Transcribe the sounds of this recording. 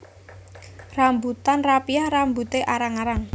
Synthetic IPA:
rambut̪anrapiahrambut̪eʔaɾaŋaɾaŋ

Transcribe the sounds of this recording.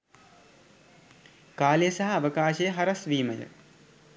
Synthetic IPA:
kaːljəsɐɦɐːʋɐkaːʃɐjəɦɐɾɐsʋiːmɐjə̰

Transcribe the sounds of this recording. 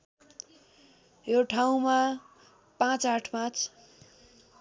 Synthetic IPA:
joʈʰaw̃ma | pãt͡saʈʰmãt͡sʰ

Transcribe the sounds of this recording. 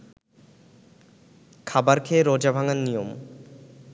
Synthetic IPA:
kʰabaɾkʰeɾod͡ʑabʱaŋanːijom

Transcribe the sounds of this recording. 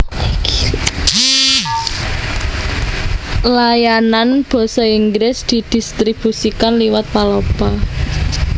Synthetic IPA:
lajananb̥ɔ̤sɔiŋɡɾɪsd̪̥i̤d̪̥i̤st̪ɾib̥usikanliwat̪̚palopa

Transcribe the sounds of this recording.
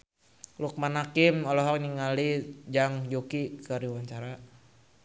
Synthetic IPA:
luk̚manakimɔlɔɦɔk̚niŋalid͡ʒaŋd͡ʒokikəɾiwaɲt͡ʃaɾa

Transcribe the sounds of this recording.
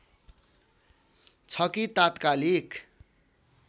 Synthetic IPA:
t͡sʰʌkit̪at̪kalik

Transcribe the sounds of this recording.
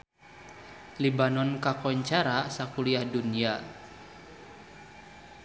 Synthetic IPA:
libanɔnkakɔɲt͡ʃaɾasakuliahdunia

